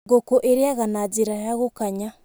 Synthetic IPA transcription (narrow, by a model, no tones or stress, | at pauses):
ɡokoʔeɾeaɣanad͡ʒeɾajaɣokaɲa